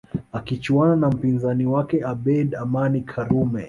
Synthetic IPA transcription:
akit͡ʃuananam̩pinzaniwakɛʔaɓɛdamanikʰaɾumɛ

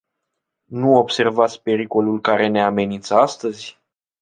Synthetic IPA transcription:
nuo̞bse̞rvat̪sʲpe̞ɾiko̞lulkaɾe̞ne̞ame̞nint̪səast̪əzʲ

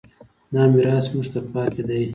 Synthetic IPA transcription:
nɑːmiɾɑːsmuʐt̪apɑːt̪ʰed̪aj

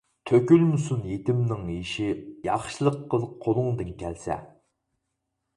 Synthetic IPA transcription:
t̪ʰøkʲylmusunjet̪ɪmnɪŋiʃijɑχʃɨlˠəqːəlˠqʰːolˠʊŋd̪ɨnkʲʰɛlsɛ̰

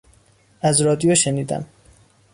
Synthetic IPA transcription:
ʔæzɾɒːd̪ijoʃeniːd̪æ̰m

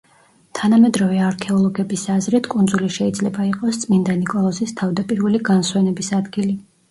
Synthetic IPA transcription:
t̪ʰanamɛd̪ɾɔvɛaɾkʰɛɔlˠɔɡɛbisazɾit̪ʰkʼund̪zuliʃɛid̪zlɛbaiqʼɔst̪sʼmind̪anikʼɔlˠɔzist̪ʰavd̪apʼiɾvɛliɡanswɛnɛbisad̪ɡili

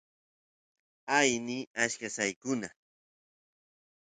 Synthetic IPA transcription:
ajniaʃkasajkʊna

